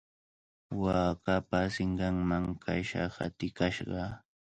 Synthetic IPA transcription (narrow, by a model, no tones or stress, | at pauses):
waːkapasɪɴɢɑŋmaŋkʰaʃɑ̰ha̰t̪ɪkaʃɢɑ